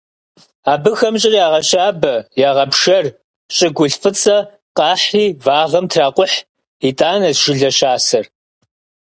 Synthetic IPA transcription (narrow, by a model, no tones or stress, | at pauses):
aːbɨxɐmɕʼɪrjaːʁɐɕaːbɐjaːʁɐpʂɐr | ɕʼɪɡʷʊɬfɨt͡sʼɐ | qɑːħriːvaːʁɐmtʰraːqʷʊħ | itʼaːnɐzʒ̥ɪɮɐɕaːsɐr